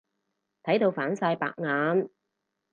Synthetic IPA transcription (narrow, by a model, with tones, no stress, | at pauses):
t̪ʰɐ˨˥jt̪o˧wfaː˨˥nsaː˧jpa̰ː˧k̚ŋaː˨˥n